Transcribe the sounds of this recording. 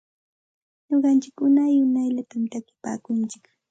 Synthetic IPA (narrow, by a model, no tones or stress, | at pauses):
ɲoɢɑnt͡ʃɪkʊnajʊnajʎat̪amt̪akɪ̥pa̰ːkʊnt͡ʃɪk